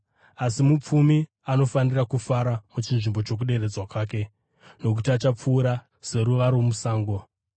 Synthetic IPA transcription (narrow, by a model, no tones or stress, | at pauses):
asimup͡fumi | ano̞fanirakufaɾamut͡ʃinʐimbo̞t͡ʃo̞k̬uɗe̞ɾe̞d͡zwakwaːke̞ | no̞k̬utiat͡ʃap͡fuːɾa | se̞ɾuʋaɾomusaːŋɡo̞